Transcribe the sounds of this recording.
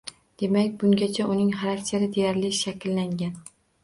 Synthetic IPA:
d̪̥e̞makʲbʊŋɡʲat͡ʃʰaʔʊnɪŋχaɾakʲt͡ʃʰaɾɪd̪ejaɾlɪʃakʲʰlːaŋɡʲan

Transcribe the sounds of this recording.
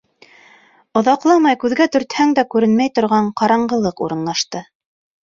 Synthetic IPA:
ŏðɑqlˠɑmɑjkʉðɡæt̪ɵ̆ɾt̪hæŋd̪ækʉɾɘnmæjt̪ŏɾʁɑɴqɑɾɑɴɢɤ̆lˠɤqṵɾɤ̆nlˠɑʃt̪ɤ

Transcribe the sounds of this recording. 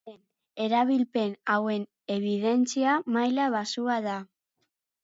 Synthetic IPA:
en | e̞ɾaβ̞ilpe̞nawe̞n | e̞βið̞e̞nt͡siamajlaβasuaða

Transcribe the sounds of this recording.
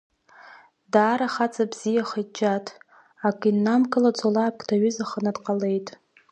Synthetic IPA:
daːɾaχat͡sʼabz̥ijaχajd͡ʒʼatʼʰ | akʼinːamkʰʼɨlat͡sʼolaːp̚kʼtʰaɥʏzaχənadqʼale̞jtʼ

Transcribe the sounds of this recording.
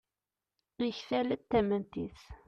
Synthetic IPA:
nəçfælæt̪ːæmænt̪iθ

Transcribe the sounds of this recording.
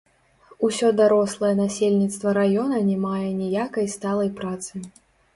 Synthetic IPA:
usʲɔd̪aɾɔslˠɐjɛnasʲelʲnʲit̪st̪vɐɾajɔnɐnʲɛmajɛnʲijakɐjst̪alˠɐjpɾat̪sɨ

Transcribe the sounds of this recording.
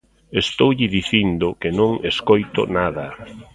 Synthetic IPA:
est̪owʎɪðiθind̪ʊkɪnõŋeskojt̪ʊ̰naðɐ

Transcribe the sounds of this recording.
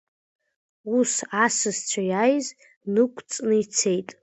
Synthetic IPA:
usasɨzt͡ʃʷʰajajz | nɨkʷʼʰt͡sʼnɨit͡sʰe̞jtʼ

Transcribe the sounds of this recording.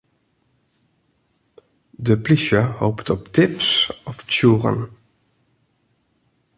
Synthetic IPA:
ðəpʰlɪʃə˞hoʊptʰɔptʰɪpsɔft͡ʃʰuːɹə̰̃n

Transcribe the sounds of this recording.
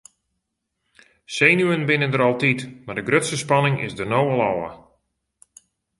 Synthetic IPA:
seːnyənbɪnəndəɾɑlˠtitmadəɡrøtsəspɑnɪŋɪ̰sdərnoːwəlˠɔwə̰

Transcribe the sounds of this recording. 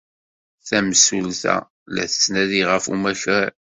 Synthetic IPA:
θæmsulθæ̰ | læθə̥snæðiʁəfṵmæçəɾ

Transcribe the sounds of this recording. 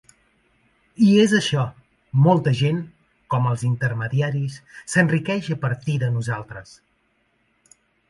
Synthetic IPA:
iezəʃɔ | mɔlˠt̪əʒen | kɔməlˠzint̪əɾməðiaɾisːənrikɛʒəpəɾt̪iðənuzalˠt̪ɾəs

